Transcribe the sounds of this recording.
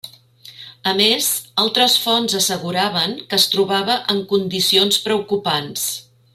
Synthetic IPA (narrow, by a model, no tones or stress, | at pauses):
əmezalˠt̪ɾəsfɔnzəsəɣuɾaβəŋkəːst̪ɾuβ̞aβəʔəŋkund̪isionspɾəukupans